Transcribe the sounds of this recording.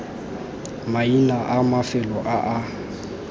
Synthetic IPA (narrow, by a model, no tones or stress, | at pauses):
mainaʔamafɪlɔʔaʔa